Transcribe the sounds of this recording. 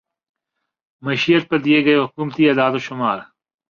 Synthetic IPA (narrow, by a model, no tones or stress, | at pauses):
mɐʃiːət̪̚pɐɾd̪ieɡɐeɦʊkuːmt̪iɐːd̪aːd̪oʃʊmaːɾ